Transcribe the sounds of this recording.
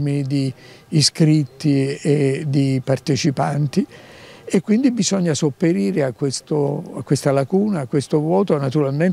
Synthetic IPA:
mid̪iː | skɾit̪ːied̪ipart̪et͡ʃipant̪iekːwind̪ibizɔɲːasopːeɾiːɾeakːwest̪oakːwest̪alakuːnaːkːwest̪ovwɔːt̪onat̪uɾalmen

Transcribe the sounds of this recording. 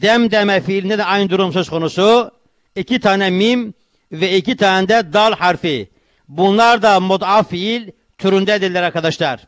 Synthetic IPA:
d̪ɛmd̪ɛmɛfiːlʲind̪ɛd̪ɛɑjnɯd̪uɾumsø̞zkʰo̞nusu | icʰit̪ʰaːnɛmim | vɛicit̪ʰaːnɛnd̪ɛd̪alˠhaɾfi | bunlˠaɾd̪amod̪afiilʲ | t̪ʰyɾynd̪ɛd̪iɾlʲɛɾaɾkad̪aʃlˠaɾ̥

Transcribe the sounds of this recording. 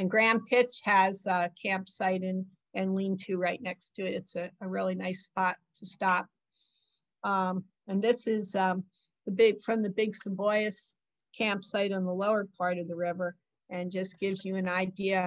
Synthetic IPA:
ɨ̃nɡɹæ̃mpʰɪt͡ʃhɨz̥ʌkʰæ̃mpsaɪɾɨ̃n | ɨ̃nlĩntʰɨɹaɪtⁿnɛkstʰɨɨɾɨtsɨəɹɪlˠinaɪspɑtʰɨstɑp̚ | ʌ | ɨ̃nðɪsɪzʌ | ðɨbɪɡfɹʌ̃mðɨbɪɡsəbɔɪɨs | kʰæ̃mpsaɪɾn̩ðəloʊə˞pʰɑɹɾʌvðəɹɪvə˞ | ɨ̃nd͡ʒʌsɡ̥ɪvzjɨɨ̃naɪdiɨ

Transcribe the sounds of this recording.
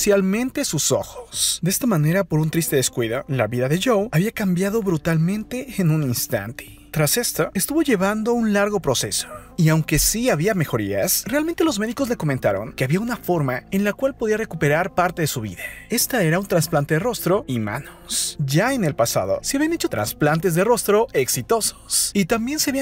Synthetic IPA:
sjalmẽ̞nt̪e̞suso̞̰xosd̪eest̪amane̞ɾapo̞ɾunt̪ɾist̪e̞ðe̞skwiðo̞̰la̰βiðaðe̞ʝowaβiakambjaðo̞βɾut̪almẽ̞nt̪e̞ːnũninst̪a̰nt̪e̥ | t̪ɾase̞st̪oest̪uβo̞ʝe̞βand̪o̞unlaɾɣo̞pɾo̞se̞so̥iawŋke̞siaβiame̞xo̞ɾia̰sre̞alment̪e̞lo̞zme̞ðiko̞zle̞ko̞mẽnt̪aɾo̞̰ŋkeaβiaunafo̞ɾmae̞nlakwalpo̞ðiare̞kupe̞ɾaɾpaɾt̪e̞ðe̞suβḭðae̞st̪ae̞ɾaunt̪ɾansplant̪e̞ðe̞ro̞st̪ɾo̞ima̰nosʝae̞ne̞lpasa̰ð̞o̞̰seaβianet͡ʃo̞t̪ɾa̰nsplant̪e̞zðe̞ro̞st̪ɾo̞ʔe̞ksit̪o̞so̥sit̪ambje̞nseaβia

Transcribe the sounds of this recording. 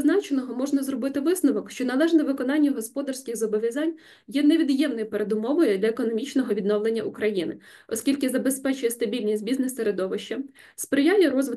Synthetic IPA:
znɑt͡ʃenɔɦɔmɔʒnɐzrɔbɪt̪ɪʋɪsnɔʋɔkʃt͡ʃɔnɐlˠɛʒnɛʋɪkɔnɑnʲːɐɦɔspɔd̪ɐrsʲkʲɪɣzɔbɔʋʲjɐzɑnʲ | jɛneʋʲid̪jɛmnɔjpeɾed̪ʊmɔʋɔjɛd̪lʲɐekɔnɔmʲit͡ʃnɔɦɔʋʲid̪nɔwlˠenʲːɐʔʊkɾɐjinɪ | ɔsʲkʲilʲkɪzɐbespɛt͡ʃʊjɛst̪ɐbʲilʲnʲisʲtʲbʲiznɛseɾed̪ɔʋɪʃt͡ʃɐ | spɾɪjalʲiɾɔzʋɪ

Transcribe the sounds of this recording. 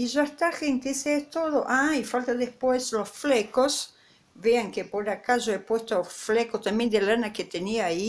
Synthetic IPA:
iʒaest̪areŋk̪eset̪oðoʔaifalt̪aðespweslosflekos | βeaŋkepoɾakaʒoepwest̪oflekot̪ambjẽnd̪elanaket̪eniai

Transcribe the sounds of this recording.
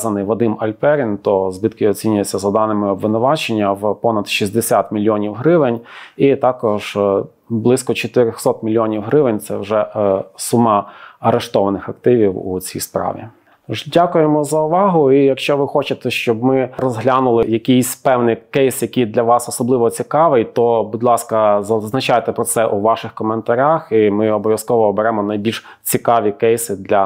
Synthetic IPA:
zɐnɪjʋɔd̪ɪmɐlʲpɛɾʲint̪ɔzbɪt̪kɪɔt͡sʲinʲʊjet͡sʲːɐzɐd̪ɑnɪmɪɔbʋɪnʊʋɑt͡ʃenʲːɐwpɔnɐd̪ʃizʲd̪esʲat̪mʲilʲjɔnʲiwɦɾɪʋɪnʲit̪ɑkɔʒ | blˠɪskɔt͡ʃɔt̪ɪɾʲɔxsɔt̪̚mʲilʲjɔnʲiwɦɾɪʋɪnʲt̪sɛwʒɛsumɑɐɾeʃt̪ɔʋɐnɪxɐk̚t̪ɪʋʲiwṵt͡sʲḭjspɾɑ̰ʋʲḭ | ʒdʲakʊjemɔzɐʊʋɑɦʊijɐkʃt͡ʃɔʋɪxɔt͡ʃɪt̪ɛʃt͡ʃɔb̚mɪrɔzɦlʲanʊlˠɪjɐkʲijsʲpɛwnɪjkɛjsjɐkʲijd̪lʲɐʋɑsɔsɔblˠɪʋɔt͡sʲikɑʋɪjt̪ɔbʊd̪ʲlˠɑskɐzɐznɐt͡ʃajt̪ɛpɾɔt̪sɛʔuʋɑʃɪxkɔment̪ɐɾʲaximɪɔbɔʋʲjɐskɔʋɔːbeɾɛmɔnɐjbʲilʃ | t͡sʲikɑʋʲikɛjsɪd̪lʲɐ

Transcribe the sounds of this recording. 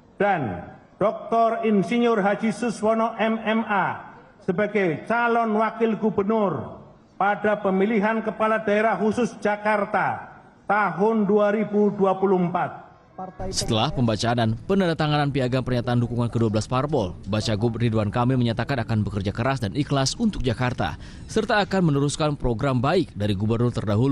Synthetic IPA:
d̥and̥ɔk̚t̪ɔrɪnsiɲʊrɦad͡ʒisʊswɔnɔʔɛmɛma | səbaɡajt͡ʃalɔnwakɪlɡubərnʊr | padapəmiliɦankəpaladaeɾahɦusʊsd͡ʒakart̪a | t̪aɦʊnduaɾibuduapuluhəmpat̪̚ | sət̪əlahpəmbat͡ʃaːnanpənadat̪aŋananpiaɡaŋpərɲat̪aːndukuŋankəduabəlasparpɔlbat͡ʃaɡuriduankamiməɲat̪akanakanbəkərd͡ʒakəɾasdaniklasunt̪ʊk̚d͡ʒakart̪a̰ | sərt̪aːkanmənuɾuskanpɾoɡɾambaɪk̚daɾiɡubərnʊrt̪ərdaɦulu

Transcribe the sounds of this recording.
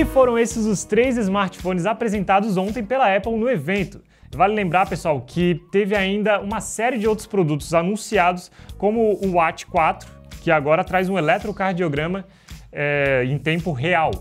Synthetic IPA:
ɪfoɾɐ̃w̃esɪzʊst̪ɾejzɪzmaɾt͡ʃɪ̥fõnɪzapɾezẽnt̪ad̪ʊzõnt̪ẽj̃pelɐɛpwnʊevẽnt̪ʊ̥ | valʊlẽmbɾaɾpesuawkʰɪt̪evɪaĩnd̪ɐũmɐsɛɾiɪd͡ʒɪowt̪ɾʊ̥spɾod̪ut̪ʊzanũsiad̪ʊskõmʊːat͡ʃɪ̥kwat̪ɾʊ̥ | kɪaɡɔɾɐt̪ɾajzũelɛt̪ɾʊkaɾd͡ʒioɡɾɐ̃mɐ | ɛẽj̃t̪ẽmpʊɦeaw

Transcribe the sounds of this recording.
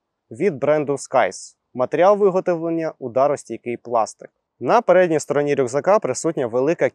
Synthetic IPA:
ʋʲid̪̚bɾɛnd̪ʊskɑjs | mɐt̪eɾʲiɑlˠʋɪɦɔt̪ɔʋlˠɐnʲːɐʊd̪ɑɾɔsʲtʲijɐkɪjplˠɑ̰st̪ɪ̥k̚ | nɐpeɾɛdʲnʲijst̪ɔɾɔnʲiɾʲʊɡzɐkɑpɾɪsut̚ʲnʲɐʋelˠɪkɐ

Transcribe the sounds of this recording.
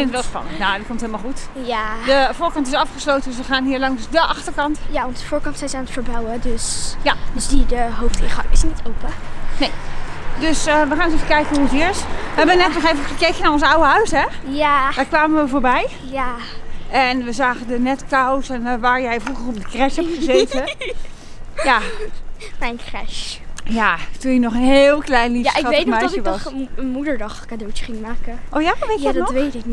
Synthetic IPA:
fɪnətʋɛlˠspɑ̰nəntnaditkomtɦelˠmalˠxutjadəvoːɹkɑntɪsɑfχəslowtəndøsʋəχaːnɦiːɹlɑŋsdəʔɑxtəɹkɑntjaʋɔntdəfoːɹkɑntsɛjsaːnətfəɹbawədøsjadəsdidəɦowftɪχɑ̰ŋɪsnitʰowpənejdøsəʋəχaːnɔsevəkɛjkənuɔsɪɹsʋɦɛbəʋənɛtnɔχevəχəkejkənaɹɔnsawəɦœɥsɦɛjad̥aːɹkʋaːməʋəvoːɹbɛj | ja | ɛnʋəzaːɣədənɛtkawsɛnʋaːɹjɛjfruɣərɔp̚dəkrɛshɛpχəzeːtə | ja | mɛjnkrɛʃjatunjənɔχənɦeːlˠklɛjnliaɑmɛjəʋɔsənmudəɹdɑxkadot͡ʃə̥χɪŋmaːkəʔɔfjaʋʋeadnɔʋetɪk

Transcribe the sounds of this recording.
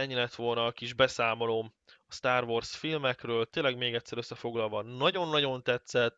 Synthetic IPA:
ɛɲːilɛt̪ʋo̞lnɒːkiʒbɛsaːmo̞loːm | ɒst̪aːrʋorsfilmɛkrøːlt̪eːlɛɡmeːɡɛt̪ʲsːɛɾøsːɛfo̞ɡlɒlvɒnɒɟo̞nːɒɟo̞nt̪ɛt̪sɛt̪ː

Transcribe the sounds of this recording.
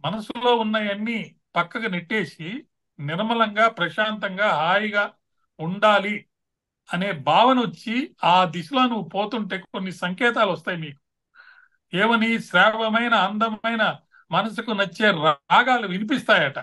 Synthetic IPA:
mɐnɐsulo̞ːunːɐjɐnːi | pɐkːɐɡɐneʈːe̞ːsi | niɾmɐlɐŋɡaːpɾɐʃaːnt̪ɐŋɡaːɦaːjiɡaː | uɳɖaːli | ɐne̞ːbʱaːʋɐnʋɐt͡ʃːiaːd̪iʃuloːnuʋupo̞ːt̪uɳʈe̞ːo̞nːisɐŋkɛːt̪aːluʋɐst̪aːjimiːku̥ | eːʋɐniʃɾɛːʋɐmɐjnɐːnd̪ɐmɐjnɐ | mɐnɐs̬ukunɐt͡ʃːe̞ːɾaːɡaːliʋinip̬ist̪aːjɐʈɐ

